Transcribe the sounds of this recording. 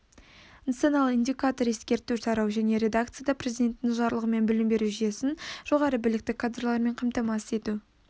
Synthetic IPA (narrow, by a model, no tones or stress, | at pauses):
nat̪sonɑlˠind̪ʲijkat̪o̞ɾe̞skʲe̞ɾt̪uʃɑɾɑwʒæne̞ɾe̞d̪akt̪sɨjad̪ɑprʲɾezid̪ʲe̞nt̪ːɪʒɑɾlˠəʁəme̞nbɪlɪmbe̞ɾuʒije̞sɪnʒ̥o̞ʁɑɾəbɪlɪk̚t̪ɪkʰad̪ralˠɑɾme̞ɴqʰɑmt̪ɑmɑse̞t̪u